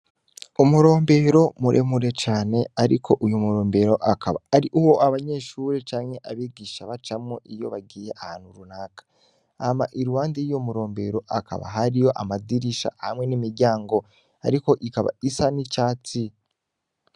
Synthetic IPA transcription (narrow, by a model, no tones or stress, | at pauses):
umuɾo̞ːmbe̞ɾo̞muɾʔemuɾe̞t͡ʃaːne̞aɾḭkʰo̞ʔujumuɾoːmbe̞ɾo̞ʔakaβa̰ːɾiʔuwo̞ʔaβaɲe̞ːʃuːɾet͡ʃaːŋhe̞ʔaβiːɡiʃaβat͡ʃamŋoʔijo̞̰βaɡiːje̞ʔaha̰ːn̥huɾunaːkḁ | ama̰ʔiɾuwaːndijijo̞muɾo̞ːmbe̞ɾo̞ʔaka̰βa̰ɦaɾijo̞ʔamadiɾiʃa̰hamŋe̞nimiɾɟaːŋɡo̞ | a̰ɾiko̞ʔikaβa̰isanit͡ʃaːt͡si